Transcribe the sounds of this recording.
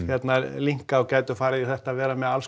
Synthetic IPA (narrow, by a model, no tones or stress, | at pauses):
jɛt̪naliŋ̥kaɔwcaːjt̪ʏfaːɾɪðiθɛht̪aːvɛːɾamɛðals